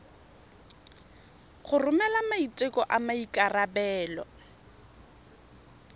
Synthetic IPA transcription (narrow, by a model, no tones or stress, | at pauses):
χʊrʊmɛlamaitʼɪkʼɔʔamaikʼarabɛːlɔ̰